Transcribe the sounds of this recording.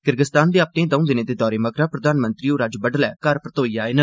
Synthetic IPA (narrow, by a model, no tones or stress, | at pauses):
kɪɾɡəst̪aːnd̪eːaːp̚nẽːd̪ə̃ũd̪ɪnẽːd̪eːd̪ɔːɾeːməkɾaːpɾəd̪aːnmənt̪ɾiːoːɾaːd͡ʒbəɖlɛːkəɾpɾət̪oːiːaːenə